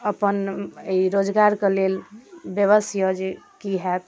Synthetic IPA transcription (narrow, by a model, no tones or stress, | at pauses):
əpəneiɾod͡ʒɡaɾkelelbjəβəsjəd͡ʒekiɦɛt̪